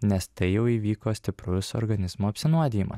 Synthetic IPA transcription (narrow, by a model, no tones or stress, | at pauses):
nʲɛst̪ɐɪjɛʊiːʋʲiːkoːsʲt̪ʲɪpɾʊsɔ̰ɾɡɐnʲɪzmoːɐpʲsʲɪnuɔd̪ʲɪːjimɐ̰s